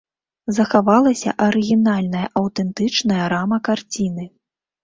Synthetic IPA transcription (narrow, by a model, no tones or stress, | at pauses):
zɐxavalˠɐsʲɐ̰ʔɐɾɨɣʲinalʲnɐjɐʔɐwt̪ɛnt̪ɨt͡ʂnɐjɐɾamɐkart͡sʲinɨ